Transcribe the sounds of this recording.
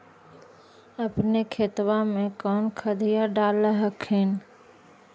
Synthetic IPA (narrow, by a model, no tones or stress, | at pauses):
əpnekʰet̪wamẽkɔːnkʰəd̪ʱijaɖaːləɦəkʰen